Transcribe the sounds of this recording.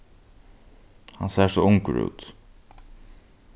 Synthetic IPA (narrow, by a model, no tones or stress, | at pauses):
hansɛːsɔːʊŋkɹʉ̰ːt̪